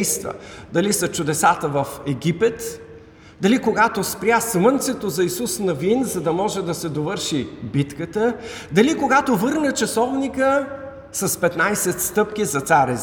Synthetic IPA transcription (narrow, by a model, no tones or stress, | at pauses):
jst̪və̰d̪ɐlisɐt͡ʃʊd̪ɛsat̪əvɐfɛɡʲipɛt̪ | d̪ɐlikoɡat̪ospɾʲjasmənt̪sɛt̪ozɐisusnɐvinzɐd̪ɐmɔʒɛd̪ɐsɛd̪ovɤɾʃibit̪kət̪ə | d̪ɐlikoɡat̪ovɤɾnət͡ʃɐsɔvnikə | sɐspɛt̪najsɛt̪st̪ɤpkʲizɐt̪saɾɛ